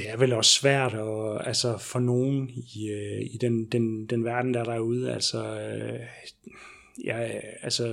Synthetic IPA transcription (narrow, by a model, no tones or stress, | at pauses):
d̥e̝æɐʋelɒ̽sːʋæɐ̰d̥ɒælsɒfɒ̽no̝ːn̩iøid̥end̥end̥enʋæɐd̥n̩d̥ɑ̈ɾ̥ɑ̈æɐuð̞ˠæ̰lsɒ | jɑælsɒ